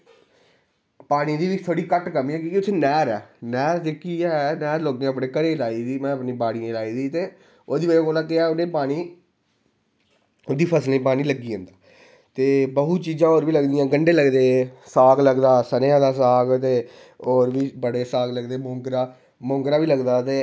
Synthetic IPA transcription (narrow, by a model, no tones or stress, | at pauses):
paːɽ̃iːd̪iːit̪ʰoːɽiːkəʈkəmĩːɛːkiːkit̪ʰːenɛːɾɛːnɛːɾd͡ʒɪkiːɛːnɛːɾloːɡẽəpnẽːkəɾeːlaːiːd̪iːmɛ̃ːəpniːbaːɽijãːlaːiːd̪iːt̪eː | oːd̪iːbəɾeːkoːlãːkeɛːʊnẽːpaːɽ̃iː | ʊd̪iːpʰəslẽːpaːñiːləɡiːõːnd̪aː | t̪eːbəɦut͡ʃiːd͡ʒãːoːɾbiːləɡd̪ijãːɡəɳɖeːləɡd̪eːsaːɡləɡd̪aːsəneːãːd̪aːsaːɡt̪eː | oːɾʋiːbəɽeːsaːɡləɡd̪eːmɔ̃ːŋkɾaː | mɔ̃ːŋkɾaːʋiːləɡd̪aːt̪eː